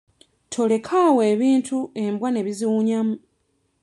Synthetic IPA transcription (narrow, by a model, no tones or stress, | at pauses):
tʰo̞le̞kʰaweːβiːntʰue̞mbwane̞βiziwuɲamu